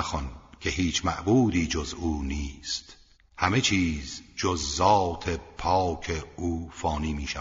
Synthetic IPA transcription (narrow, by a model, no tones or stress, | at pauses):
xɔnkʲʰe̞ɦiːt͡ʃʰmæ̰ʔbuːd̪iːd͡ʒozuːniːst̪ | hæme̞t͡ʃʰiːzd͡ʒozːɒːt̪ʰepʰɒːkʰeuːfɒːniːmiːʃæ